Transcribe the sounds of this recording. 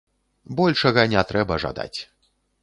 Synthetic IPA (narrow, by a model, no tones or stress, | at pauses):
bɔlʲʂɐɣɐnʲɛt̪ɾɛbɐʐa̰d̪a̰t͡sʲ